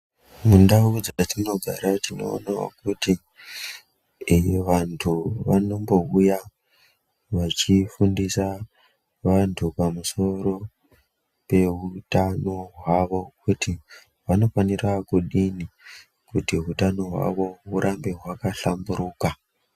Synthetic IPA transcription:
mundaud͡zatino̞ɡʱaɾatino̞̰ːnawo̰kuti | ʋantʰuʋano̞mbo̞uja | ʋat͡ʃifundisa | ʋantʰupamuso̞ɾo̞ | pe̞ɦutano̞ɦwaʋo̞kuti | ʋano̞fanirakuɗini | kutiɦutano̞ɦwa̰ʋo̞ɦuɾʔambeɦwakaɬambuɾuːka

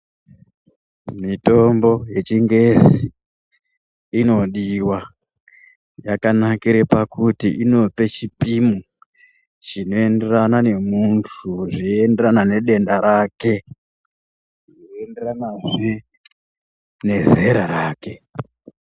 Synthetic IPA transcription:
mito̞mbo̞je̞t͡ʃiŋɡe̞zi | ino̞ɗiwa | jakanakiɾepakutiʔino̞pe̞t͡ʃipimu | t͡ʃino̞e̞nde̞ranane̞muntʰuʐiendeɾanane̞ɗe̞ndaɾake̞ | ioenderanaʐe | ne̞zeɾaɾaːke̞

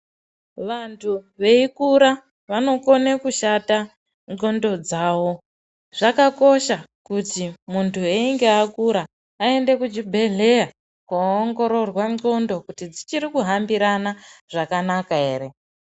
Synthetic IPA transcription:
ʋantʰuʋe̞ikuɾa | ʋano̞ko̞nekuʃata | ŋo̞ndo̞d͡zaːwo̞ | ʐakako̞ʃakutimuntʰueiŋɡeakuɾaː | e̞nde̞kud͡ʒibʱe̞ɮe̞ja | koŋɡo̞ɾo̞rwano̞ndo̞kutid͡zit͡ʃiɾikuɦambiɾanaʐ̥akanakae̞ːɾe̞

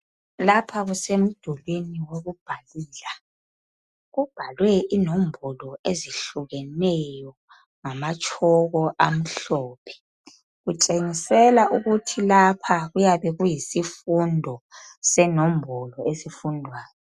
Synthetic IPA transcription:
lapʰaɣusem̩d̥ʱulweniwoɣub̥ʱaliːla | ɣub̥ʱalwɛinombʱɔlɔeziɬuɣɛnɛjɔ | ŋamat͡ʃʼʰɔɣɔʔam̩ɬɔːpʰɛ̥ | ɣut͡ʃʼeŋisɛlaʔuɣutʰilapʰaɣujaβɛɣujisifundʱɔsɛnɔmbʱɔlɔesifundʱwaːjɔ

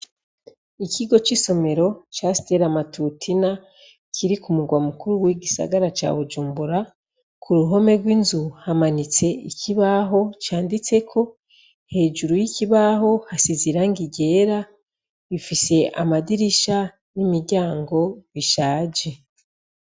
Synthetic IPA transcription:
ikiɡo̞t͡ʃiso̞me̞ɾo̞t͡ʃasi̥te̞ɾamatutʰina | kʰiɾikumuɡwamukuɾuwiɡisa̰ɡaɾat͡ʃa̰βud͡ʒuːmbuɾa | kʰuɾuɦo̞me̞ɡwiːnzuhamanit͡se̞icʰiβaɦo̞t͡ʃaːndit͡se̞kʰo̞ | he̞ːd͡ʒuɾujiciβaɦo̞hasiziɾaŋɡiɟe̞ːɾa | βifise̞ʔa̰madiɾiʃa | nimiɾɟaːŋɡo̞βiʃaːd͡ʒe̞

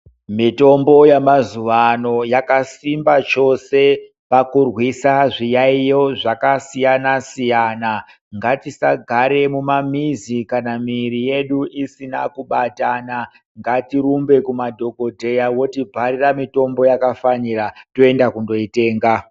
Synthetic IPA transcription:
mito̞mbo̞jamazuʋano̞jakasimbat͡ʃo̞se̞ | pakurwisaʐijaijo̞ʐakasijanasijana | ŋɡatisaɡʱaɾe̞mumamizikanamiɾije̞ɗuʔisinakuɓatana | ŋɡatirumbe̞kumadʱo̞ɡʱo̞dʱe̞jawo̞tibʱariramito̞mbojakafaniɾatoe̞ndakundo̞ite̞ːŋɡa

